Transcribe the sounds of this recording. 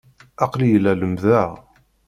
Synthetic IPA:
ɑqlijəlːæləmðæ

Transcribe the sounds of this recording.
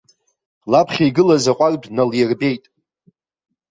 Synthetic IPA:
lapʰχʲijɡɨlazaqʷʼardnaljɪrbe̞jtʼ

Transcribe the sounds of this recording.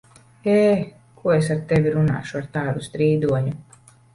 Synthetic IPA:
eː | kʰuɔes̬aɾt̪ɛvʲiɾuna̰ːʃuaɾt̪aːd̪ust̪ɾiːd̪uɔɲu

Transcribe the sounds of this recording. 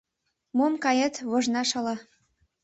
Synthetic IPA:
momkɑjət̪βoʒnɑʃɑlɑ

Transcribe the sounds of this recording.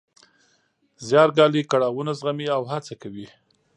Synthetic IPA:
zjɑɾɡɑlikaɽɑwunazɣamiawhat͡sakawi

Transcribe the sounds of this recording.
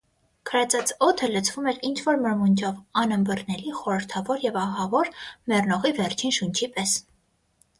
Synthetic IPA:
kʰəɾɛt͡sɑt͡sʰɔt̪ʰələt͡sʰvumɛɾint͡ʃʰvɔɾməɾmund͡ʒʰɔvɑnəmbərnɛliχɔɾəɾt̪ʰɑvɔɾjɛvɑɦɑvɔɾmɛrnɔʁivɛrt͡ʃʰinʃunt͡ʃʰipɛs

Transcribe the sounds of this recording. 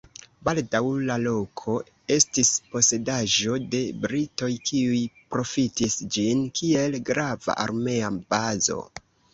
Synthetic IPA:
baldawlalo̞kʰo̞ | e̞stispo̞se̞daʒo̞de̞bɾito̞jkʰiujpɾo̞fitisd͡ʒinkʰie̞lɡɾava̰ʔa̰ɾme̞abazo̞̰

